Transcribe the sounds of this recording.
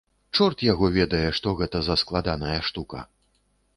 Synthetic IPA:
t͡ʂɔrt̪jaɣɔvʲɛd̪ɐjɛʂt̪ɔɣɛt̪ɐzɐsklˠad̪anɐjɐʂt̪ukɐ̰

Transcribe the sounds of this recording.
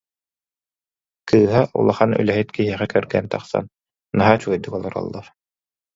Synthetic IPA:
kɯːɦaʔṵlˠaχany̰lɛɦit̪kiɦiɛχɛkœɾɡɛːnt̪aχsa̰n | naɦaːt͡ɕuɔjd̪ɯkɔlˠɔɾɔ̰lˠːaɾ

